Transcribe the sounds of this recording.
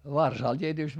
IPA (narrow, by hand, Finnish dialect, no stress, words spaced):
ʋɑrsɑˑl tʲietyˑst